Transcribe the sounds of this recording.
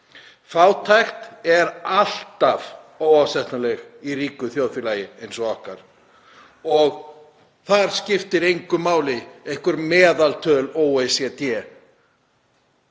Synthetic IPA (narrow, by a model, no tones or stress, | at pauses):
faːwt̪ʰajxt̪ɛɾal̥t̪av | oːwawsɛht̪nalɛɣiriːkʏθjoːwðfjɪlaːjɪejnsɔahkaɾ̥ | ɔɣ | θaɾ̥scɪft̪ɪɾejŋkʏmaːwlɪejhkʏɾmɛːðalt̪ʰœːloːwesɛt̪jɛː